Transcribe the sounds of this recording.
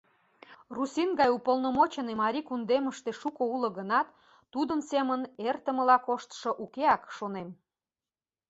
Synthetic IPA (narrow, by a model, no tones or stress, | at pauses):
rusinɡɑjupəlnomot͡ɕənemɑɾʲikund̪eməʃt̪eʃukoulə̆ɣənɑt̪ː | ud̪ənsemənert̪əməlɑkoʃt̪ʃoʔukeɑkʃonem